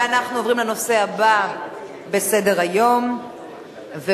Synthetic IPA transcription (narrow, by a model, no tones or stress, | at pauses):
anaχnuovʁimleno̞se̞haba | bese̞deʁajo̞m | ve